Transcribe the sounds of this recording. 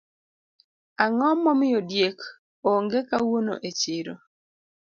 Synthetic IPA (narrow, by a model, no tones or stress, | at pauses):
aŋɔmɔmɪjodjek | oŋɡekawono̰ʔet͡ʃɪɾo